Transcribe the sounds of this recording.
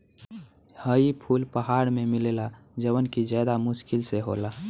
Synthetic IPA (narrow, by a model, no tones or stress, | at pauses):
həipʰuːlpəɦaɽmemilela | d͡ʒəwənkid͡ʒjad̪amʊʃkɪlseɦo̰la